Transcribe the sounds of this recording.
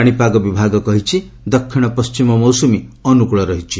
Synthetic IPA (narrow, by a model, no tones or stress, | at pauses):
aɽ̃ipaɡʌbibʱaɡʌkʌɦit͡sʰi | d̪ʌkʰːiɽ̃ʌpʌst͡ʃimʌmʌwsumiʌnukuɽʌɾʌɦit͡sʰi